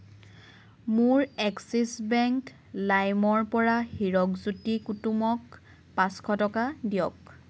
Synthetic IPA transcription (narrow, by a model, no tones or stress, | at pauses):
muɹɛksisbɛŋk | lajmɔɹpɔɹaxiɹɔkzutikutumɔk | pãskʰɔtɔkadijɔk